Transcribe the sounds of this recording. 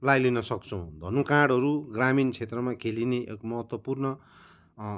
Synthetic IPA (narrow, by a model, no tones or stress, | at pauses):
lajlinʌsʌkt͡sʰʌw̃d̪ʱʌnũkãɽɦʌɾuɡramint͡sʰet̪rʌmãkʰelineʔḛkmʌɦʌt̪wʌpurnʌ